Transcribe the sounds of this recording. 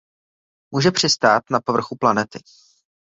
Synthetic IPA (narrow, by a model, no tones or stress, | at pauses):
muːʒɛpr̝̥ɪst̪aːt̪napovr̩xuplanɛt̪ɪ